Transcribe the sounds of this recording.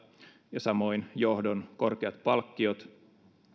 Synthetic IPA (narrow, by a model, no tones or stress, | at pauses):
jɑsɑmo̞injohdonko̞rkeɑt̪pɑlkːiot̪